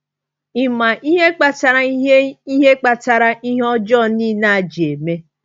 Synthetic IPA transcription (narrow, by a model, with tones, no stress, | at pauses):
i˨ma˨ʔi˦ɦe˦k͡pa˨ta˨ɾa˦i˦ɦe˦k͡pa˨ta˨ɾa˦ʔi˦ɦe˦ɔ˦d͡ʒɔ˦˨niː˦na˦˨a˨d͡ʒe˨me˦